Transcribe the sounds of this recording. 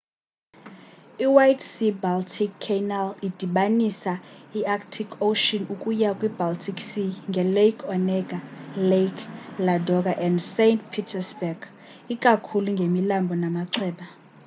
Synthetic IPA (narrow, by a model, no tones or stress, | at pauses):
iwajtsibaltʰikʰːenalid̥ʱiɓanisaiaktʰikʰoʃɔnukʼujakʼwibaltʰiksiŋɡʱɛlekʰɔnɛɡ̥ʱalekʰladʱɔk̬ʼaʔɛndsentpʰitʰɛsbɛɡ̥ | ik̬ʼakʰuluŋɡʱemilambʱɔnamaǀʰɛːɓa